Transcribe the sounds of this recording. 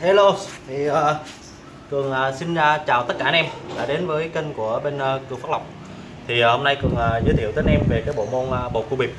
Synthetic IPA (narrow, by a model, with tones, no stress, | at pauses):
ha˧lo˧t̪ʰi˨˩əː˨˩ | kɨ˨˩əŋʔəː˨˩si˧n˧t͡ɕaː˨˩wt̪ə˦˥t̚kaː˧nɛ˧mɗa̰ː˧˩ɗe˨˦nvəː˨˦jkə˧ŋ̟ku˧˩əɓe˧nː˧kɨ˨˩faː˦˥k̚la˨˩k͡p̚ | t̪ʰi˨˩ho˧mna˧jkɨ˨˩əŋʔaː˨˩zə̰˨˦t̪i˧˨t̪əː˨˦˧nʔɛ˧mve˨˩kaː˨˦jɓo̰˧˨mo˧nʔə˨˩ɓo̰˨˩ku˧ɓi˨˩p̚